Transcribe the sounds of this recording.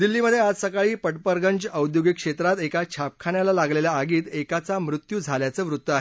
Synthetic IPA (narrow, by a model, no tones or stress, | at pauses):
d̪ilːiːməd̪ʱːjead͡zsəkaɭiːpəʈpəɾɡəɲt͡ɕəwd̪joɡikʂet̪ɾat̪ekat͡ɕʰap̚kʰaɳjalalaɡleljaːɡiːt̪ekat͡samɾut̪juːd͡zʱaljat͡səːʋɾut̪ːəaɦe